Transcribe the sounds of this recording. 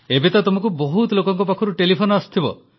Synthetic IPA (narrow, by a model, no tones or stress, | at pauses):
ebet̪at̪omɔkuboɦut̪ɔlokɔŋkɔpakʰɔɾuʈelipʰonɔast̪ʰibɔ